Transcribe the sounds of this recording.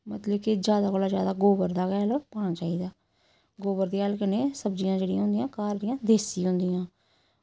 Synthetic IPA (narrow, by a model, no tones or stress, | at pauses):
mət̪ləbkɪd͡ʒjaːd̪aːkoːlaːd͡ʒjaːd̪aːɡoːbəɾd̪aːkɛːloːpaːɽ̃aːt͡ʃaːiːd̪aː | ɡoːbəɾd̪iːaːlkəneːsəbd͡ʒijãːd͡ʒeːɽɪijãɦʊ̃nd̪ɪjãːkaːɾd̪ɪjãːd̪eːsiːɦʊ̃nd̪ɪjãː